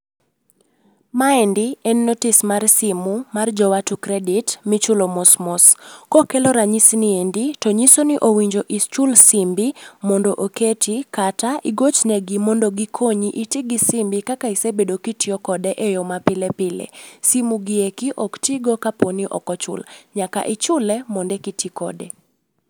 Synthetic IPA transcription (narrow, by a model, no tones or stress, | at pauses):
maɛndiɛnːotɪsmarsɪmumard͡ʒɔwatukɾɛdɪtmɪt͡ʃʊlomɔsmɔskokɛlɔɾaɲisnɪenditoɲisonɪʔowiɲd͡ʒoʔit͡ʃʊlsɪmbimɔndoʔoketikataʔiɡot͡ʃnɛɡɪmɔndɔɡikʰoɲiʔitiɡɪsɪmbikakaisebedokitiɔkɔdɛʔejɔmapɪlɛpɪlḛsimuɡɪekiʔɔktiɡɔkaponiʔɔ̰kɔt͡ʃʊ̰lɲaka̰ʔɪt͡ʃʊlɛmɔndɛkitʰikɔ̰dɛ